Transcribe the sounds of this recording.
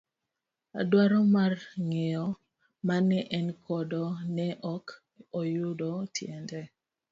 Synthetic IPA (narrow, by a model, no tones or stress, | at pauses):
a̰dwaɾɔmarŋejɔ | manɛʔɛnkʰɔdɔnɛʔɔk | ojʊdɔtʰjɛndɛ